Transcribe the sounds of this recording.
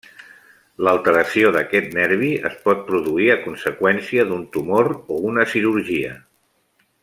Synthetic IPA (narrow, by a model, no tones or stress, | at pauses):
ləlˠt̪əɾəsioðəkɛt̪nɛɾβ̞iə̰spɔt̪̚pɾuðuiəkunsəkwɛnsiəðunt̪umoɾounəsiɾuɾʒiə̰